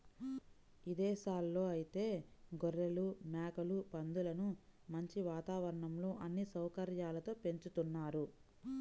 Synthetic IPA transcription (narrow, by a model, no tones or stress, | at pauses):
id̪ɛːʃaːlːo̞ːɐjit̪e̞ːɡɔɾːelumjaːkɐlupɐnd̪ulɐnumɐɲt͡ʃiʋaːt̪aːʋɐɾɐɳɐmlo̞ːʔɐnːisɐwkɐɾjaːlɐt̪o̞ːpe̞ɲt͡ʃut̪unːaːɾu